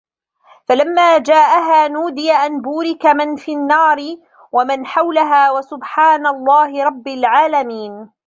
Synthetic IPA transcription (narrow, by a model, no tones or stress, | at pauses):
falamːaːd͡ʒaːʔaɦaːnuːd̪ɪjaʔanbuːɾɪkamɪnfiːnːɑːɾɪ | wamanħawlaɦaːwasʊbħaːnalˤːɑːhɪɾˤɑbːalʕaːlamiːn